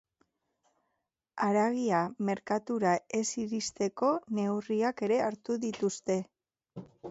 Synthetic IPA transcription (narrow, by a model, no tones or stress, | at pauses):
aɾaɣiame̞ɾkat̪uɾae̞siɾist̪e̞ko̞ne̞wriake̞ɾe̞aɾt̪uðit̪ust̪e̞